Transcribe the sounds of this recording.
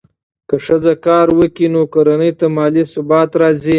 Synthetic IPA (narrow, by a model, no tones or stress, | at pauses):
kəʂəzakɑːɾwəkinokoɾanəjt̪amɑːlisʊbɑːt̪ɾɑːzi